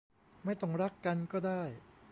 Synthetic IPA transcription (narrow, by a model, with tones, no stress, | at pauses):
ma˥˩jt̪ɔ˥˩ŋɾa˦˥kːa˧nkɔː˥˩daː˥˩j